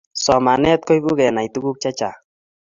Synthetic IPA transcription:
sɔ˨ma˨nɛ˦t̪̚kɔ˦jbu˦ɡɛ˨na˨i˨t̪u˦ɡu˦k̚t͡ʃa˦t͡ʃa˨

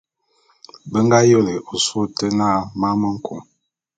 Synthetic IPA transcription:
bə˦ŋɡa˦jo˦˨le˨o˨su˦˨tə˦na˦˨ma˦mə˦ŋ̩˦kʰo̰˨ŋ

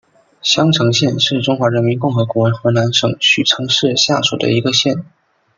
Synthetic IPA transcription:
ɕjɑ˥ŋʈ͡ʂʰɤ˧˥ŋɕjɛ˥˧nʂɻ̩˥˩ʈ͡ʂʊ˥ŋxwa˧˥ɻə˧˥nmi˧˥nkʊ˥˩ŋxɤ˧˥ku˨˩wə˧˥nxɤ˧˥na˧˥nʂɤ˨˩ŋɕy˨˩ʈ͡ʂʰɤ˧˥ŋʂɻ̩˥˧ɕja̰˥˩ʂṵ˨˩d̪ə̰˦i˧˥ɡə˧ɕjɛ˥˩n

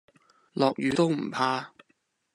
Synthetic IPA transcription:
lɔː˨k̚jyː˨˧˥t̪o˥wm̩˨˩pʰaː˥

